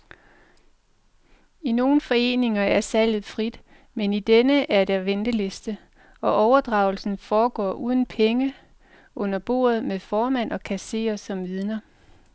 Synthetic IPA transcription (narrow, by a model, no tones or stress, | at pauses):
ino̝ːn̩fɒ̽e̝̰ːne̝ŋɐæɐsæl̰ð̞̩ˠfʁid̥ | menid̥enəʔæɐd̥ɑʋend̥əle̝sd̥ə | ɒ̽ʔɒʊɐd̥ʁɑ̈ʊl̩sn̩fɒːɡ̥ɒ̰ːʔuːð̞ˠn̩pʰeŋə | ʔɔ̽n̰ɐb̥o̝̰ːɐð̞ˠmefɒːmæn̰ʔɒ̽kʰæse̝̰ːɐsɒ̽mʋið̞ˠnɐ